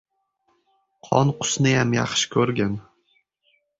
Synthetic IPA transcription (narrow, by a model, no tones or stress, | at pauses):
qʰɒnqʰʊ̥snɪjamjɑ̰χʃɪ̥kʲʰɵɾɡʲan